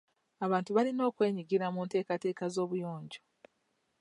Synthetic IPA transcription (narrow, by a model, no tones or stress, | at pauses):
aβaːntuβalino̞ːkwe̞ːɲiɡiɾamuːnte̞ːkate̞ːkazo̞ːβujo̞ːɲɟo